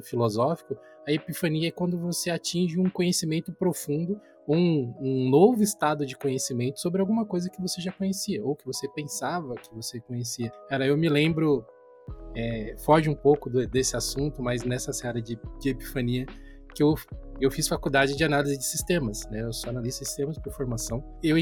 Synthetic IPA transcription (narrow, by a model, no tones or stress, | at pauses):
filozɔfi̥kʊ | ɐepifɐ̃niɐɛkwɐ̃nd̪ʊvoseat͡ʃĩʒɪũkõɲesimẽnt̪ʊpɾofũnd̪ʊ | owũũnovʊɪst̪ad̪ʊd͡ʒɪkõɲesimẽnt̪ʊ̥sobɾɪawɡũmɐkojzɐkɪvoseʒakõɲesiɐowkɪvosepẽsavɐkɪvosekõɲesiɐɛɾɐewmɪlẽmbɾʊ | ɛfɔʒɪũpowkʊd̪ɪd̪esɪasũnt̪ʊmaznɛsɐseaɾɐd͡ʒɪd͡ʒɪepi̥fɐniɐ | kɪewewfisfakud̪ad͡ʒɪd͡ʒɪanalizɪd͡ʒɪsist̪ẽmɐsnɛewsoanalizʊd͡ʒɪsi̥st̪ẽmɐspoɾfoɾmasɐ̃w̃ | ew